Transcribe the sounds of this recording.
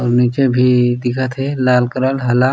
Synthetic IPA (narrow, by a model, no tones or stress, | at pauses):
ɔːɾniːt͡ʃebʱid̪ɪkʰət̪ɦɛlaːlkəɾəlɦɐla